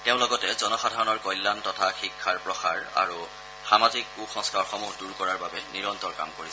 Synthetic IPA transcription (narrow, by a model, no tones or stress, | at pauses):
teʊ̃lɔɡɔtɛzɔnɔxadʱaɹɔnɔɹkɔjlːantɔtʰaxikʰːaɹpɹɔxaɹa̰ɹu | xamazik̚uxɔ̃ŋskaɔɹxɔmuxduɹkɔɹaɹbabɛniɹɔntɔɹka̰mkoɹisɛ